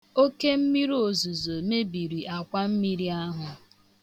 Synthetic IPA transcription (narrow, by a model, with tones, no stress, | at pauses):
o˦ke˦m̩˦mi˦ɾo˨zu˨zo˨me˦bi˨ɾi˨ʔa˨kʷa˦m̩˦mi˦ɾi˦a˦ɦʊ˨